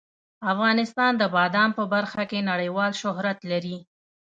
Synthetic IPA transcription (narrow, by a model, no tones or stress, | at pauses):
afɣɑnɪst̪ɑnd̪əbɑd̪ɑmpəbaɾxakenaɽəjwɑlʃʊɦɾat̪laɾi